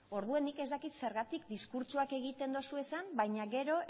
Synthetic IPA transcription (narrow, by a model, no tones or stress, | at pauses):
o̞ɾðue̞nːike̞zt̪akit̪se̞ɾɣat̪ikd̪iskuɾt͡ʃuake̞ɣit̪e̞nd̪o̞sue̞sambajɲaɣe̞ɾo̞